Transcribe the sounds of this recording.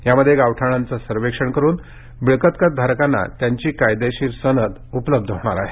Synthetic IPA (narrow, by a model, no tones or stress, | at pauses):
jaməd̪ʱːjeɡaʋʈʰaɽ̃ant͡sasəɾʋekʂəɳkəɾuːn | biɭkət̪kət̪̚d̪ʱaɾkanːa̰t̪jaɲt͡ɕiːkajd̪eɕiːɾsənət̪upləb̚d̪ʱɦoɽ̃aɾaɦe